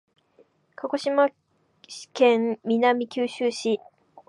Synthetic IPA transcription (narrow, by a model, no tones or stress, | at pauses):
kʰako̞ɕimḁ | kẽmːʲinamʲikʲɨːɕɨːɕi